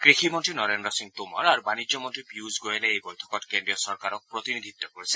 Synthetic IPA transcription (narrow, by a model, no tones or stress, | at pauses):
kɹiximɔntɹinɔɾendɔsiŋtumɔ̰ɹaɹubanid͡ʒjɔmɔntɹipjuzɡojeleejbojtʰɔ̥kɔtkendɹijɔsɔɹkaɾɔk̚pɹɔt̪inid̪ʱit̪ːɔkoɹisɛ